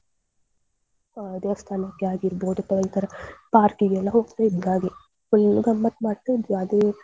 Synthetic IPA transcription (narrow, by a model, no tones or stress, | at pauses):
d̪eɐst̪ʰaːnɐkːeaːɡiɾboːd̪ut̪ɐʋɐlt̪ɐɾɐpaːɾkiɡɛlːɐɦoːɡt̪eid̪ːaːɡe | ulɡɐmːɐt̪maːɽt̪ːed̪aːd̪e